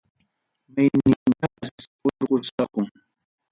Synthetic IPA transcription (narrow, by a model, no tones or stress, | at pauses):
majnɪntasoɾɢʊt͡sɑqʊŋ